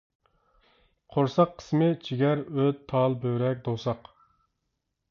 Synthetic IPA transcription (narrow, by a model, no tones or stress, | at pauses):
qʰoɾsɑqʰːə̥smɪt͡ʃʰiɡʲɛɾøt̪ʰːɑlˠbøɾɛk̚ʲd̪osɑq